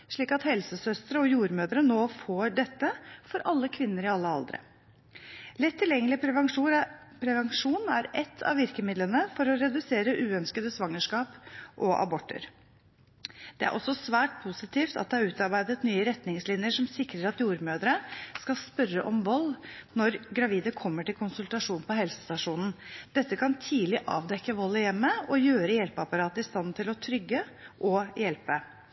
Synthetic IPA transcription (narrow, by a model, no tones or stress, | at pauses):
ʂɭiːkɑt̪hɛlsəsœst̪əɾəɔjuːɾmøːd̪əɾənoːfoːɖɛt̪ːəfɔɾʔɑlːəkʰʋɪnːəɾɪɑlːəɑ̰ld̪ɾə̰ | lɪt̪ʰːɪljɛŋːəlɪ | pʰɾɛʋɑŋʂuːnæɾɛt̪ʰːɑ̰ʋɪɾkəmɪd̪lənəfɔɾɔɾɛd̪ʉseːɾəʔʉːœnskəd̪əsʋɑŋːəʂkɑːpʔɔʔɑ̰bɔʈːə̰ɾ | d̪̥ɛæ̰ɾʔɔsːɔsʋæːʈ̚pʰusɪt̪iːft̪ɑ̰t̪̚d̪ɛhɑɾʉːt̪ɑɾbæɪd̪ət̪nyːəɾɛt̪nɪŋslɪnjəʂɔmsɪkɾəɾɑt̪juːɾmøːd̪ɾəskɑspœɾəʔɔmʋɔlːnɔɾɡɾɑʋiːd̪əkʰɔmːəʈɪlkʊnsʉlt̪ɑʂuːnpɔɦɛlsə̥st̪ɑʂuːnn̩d̪̥ɛt̪ːəkʰɑnt̪ʰiːlɪʔɑ̰ːʋd̪ɛkːəʋɔlːəjɛmːəɔjøːɾəjɛlpɑpɑɾɑːt̪əɪst̪ɑnt̪ʰɪlɔt̪ʰɾʏɡːəʔɔjɛlpə